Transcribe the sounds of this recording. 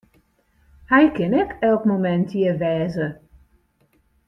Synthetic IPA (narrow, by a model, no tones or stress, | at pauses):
hɛjkɪnɛkɛlˠkmomɛntʰjɪʋɛːzə